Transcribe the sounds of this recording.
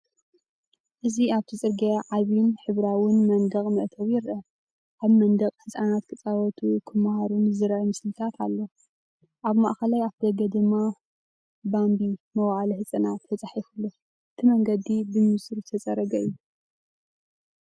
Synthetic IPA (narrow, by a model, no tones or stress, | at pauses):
ʔɨziaβt̪ʰit͡sʼɨɾɡaʕaβinħɨβɾawɨnmɐnd̪ɐχʼmɨʔt̪ʰɐβjɪɾʔɐ | ʔaβmɐnd̪ɐkʼħɨsʼanat̪kʰɨt͡sʼawɔt̪ʰukʰɨmhaɾunzɨɾʔɐmɨslɨt̪ʰat̪ʰalːo̞ | ʔaβmaʔxɐlajaβd̪ɐɡɐd̪ɨmːa | bambimɐwʕaliħɨt͡sʼɨnat̪ːɐt͡sʼaħifulːo | ʔɨt̪ʰimɐŋɡɐd̪ibɨmɨsʼɨɾt̪ʰɐt͡sʼɐɾɐɡɐɨjːu